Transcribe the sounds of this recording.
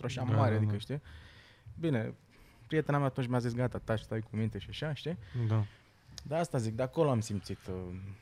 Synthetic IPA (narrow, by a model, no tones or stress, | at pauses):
t̪ɾoaʃamaɾead̪ikəʃt̪i | bine̞ | pɾie̞t̪e̞namat̪unt͡ʃʲmazisɡat̪at̪aʃt̪ajkumint̪e̞ʃiaʃaʃt̪id̪a | d̪aast̪azik̚d̪eakoloamsimt̪sit̪